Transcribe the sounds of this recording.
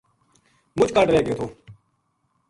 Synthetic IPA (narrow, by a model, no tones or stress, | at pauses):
mʊt͡ʃkəʈɾeːɡeːt̪ʰoː